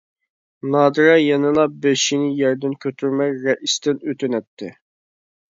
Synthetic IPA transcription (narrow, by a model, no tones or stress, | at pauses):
nɑːd̪ɾɑjɛnɨlˠɑp̚beʃinɪjɛɾd̪ɪnkʲʰøt̪ʰyɾmɛkɾɛʔist̪ɪnøt̪ʰynɛt̪ʰːɪ